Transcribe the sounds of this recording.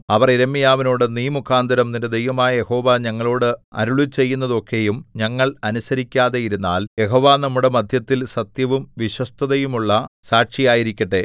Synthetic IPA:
ɐʋɐriɾɐmːijaːʋinoːɽɨniːmukʰːaːnd̪ʱɐɾɐmnindɐd̪ejʋɐmaːjɐje̞ho̞ːʋaːɲɐŋːɐɭoːɽɨɐ̰ɾuɭut͡ɕːe̞jːunːɐðo̞kʰːe̞jumɲɐŋːɐɭɐnusɐɾikʲːaːðejiɾunːa̰ːlje̞ɦo̞ːʋaːnɐmːuɽe̞mɐd̪ʱjɐt̪ːilsɐt̪jɐʋumʋiɕwɐst̪ʰɐðɐjumuɭːɐsaːkʂijaːjiɾikʲːɐʈːe̞

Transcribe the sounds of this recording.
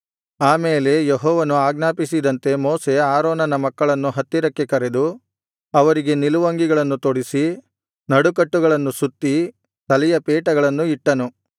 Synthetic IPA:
aːmeːle̞jeɦɔːʋɐnuaːɡnaːpisid̪ɐnt̪e̞moːse̞aːɾoːnɐnɐmɐkːɐɭɐnːuɦɐt̪ːiɾɐkːe̞kɐɾe̞d̪u | ɐʋɐɾiɡe̞niluʋɐŋɡiɡɐɭɐnːut̪oːɽisi | nɐɽukɐʈːuɡɐɭɐnːusut̪ːi | t̪ɐlɛjɐpeːʈɐɡɐɭɐnːuiʈːɐnu

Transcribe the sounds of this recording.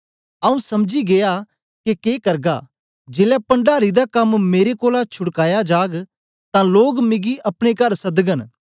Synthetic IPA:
ɐũsɐmd͡ʒiɡeːja | kekeːkɐɾɡa̰ | d͡ʒeːlapɐ̃ɳɖaːɾid̪akɐmːeːɾekoːlat͡ʃʰʊɽkaːjad͡ʒaːɡ | t̪ãloːɡmɪɡiʔɐpɽ̃ekɐɾsɐd̪ɡən

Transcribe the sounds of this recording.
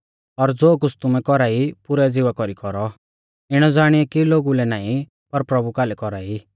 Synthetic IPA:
ɔɾd͡zoːk̬ʊt͡sʰt̪ʊmɛkɔɾaːipʊɾɛd͡zɪʋakɔɾikɔɾɔ | ɪɽ̃ɔd͡zaːɽ̃iɛkiloːɡulɛnaːĩ | pɐɾpɾɐbukaːlɛkɔɾaːi

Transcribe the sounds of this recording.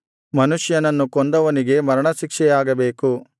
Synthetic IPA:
mɐnuʂjɐnɐnːukond̪ɐʋɐniɡe̞mɐɾɐɳɐʃikʂɛjaːɡɐbe̞ːku

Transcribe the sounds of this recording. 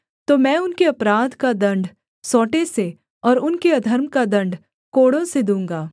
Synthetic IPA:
t̪omɛ̃ːʊnkeɐpɾaːd̪kad̪ɐ̃ɳɖ | sɔːʈese | ɔːɾʊnkeɐd̪ʱəɾmkad̪ɐ̃ɳɖ | koːɽõsed̪ũːŋ̆ɡaː

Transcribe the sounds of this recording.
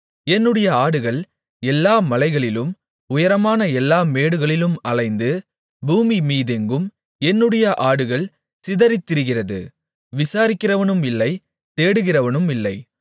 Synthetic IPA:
ɛnːɯɽɐjɐaːɽɯɣɐɭ | ɛlːaːmɐlɐɪɣɐɭɪlɯm | ʊjɐɾɐmaːnɐɛlːaːmeːɽɯɣɐɭɪlɯmɐɭɐɪnd̪ɯ | buːmimiːðɛŋɡɯm | ɛnːɯɽɐjɐʔaːɽɯɣɐɭ | sɪðɐɾɪt̪ːɪɾɯɣɪrɐðɯ̰ | ʋɪsaːɾɪkːɪrɐʋɐnɯmɪlːɐɪ | t̪eːɽɯɣɪrɐʋɐnɯmɪlːɐɪ

